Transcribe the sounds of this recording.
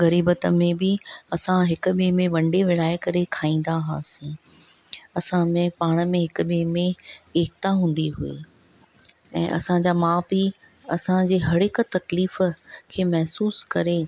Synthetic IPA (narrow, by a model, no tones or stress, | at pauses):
ɣɐɾiːbət̪əmẽbɪɐsãɦɪkʊ̆ɓeːmẽʋɐ̃ɳɖeʋɪɽ̤aːɪkɐɾekʰaːĩːn̆d̪aɦaːsĩː | ɐsãmẽpaːɽ̃ə̆mẽɦɪkʊ̆ɓeːmẽeːk̚t̪aɦũːn̆d̪iɦʊḛː | ɛ̰̃ːʔɐ̰sãd͡ʑaːmaːbi | ɐsãd͡ʑeːɦɐɽɪk̆t̪ɐkliːfkʰeːmɛɦsuːskɐɾe